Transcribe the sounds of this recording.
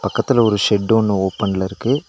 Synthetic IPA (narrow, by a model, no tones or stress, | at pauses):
pɐkːɐt̪ːɪlɐɔɾɯʂɛɖːɯɔnːɯoːpɐnɪlɐɪɾɯkːɯ